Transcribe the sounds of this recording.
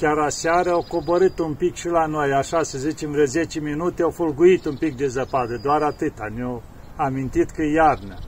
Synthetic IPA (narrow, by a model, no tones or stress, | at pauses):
kʲaɾasaɾəawko̞boɾɨt̪umpikʃilanojaʃasəzit͡ʃemvɾeze̞t͡ʃeminut̪eawfolɡuit̪umpik̚d̪e̞zəpad̪əd̪oaɾat̪ɨt̪ano | amint̪it̪kəjarnə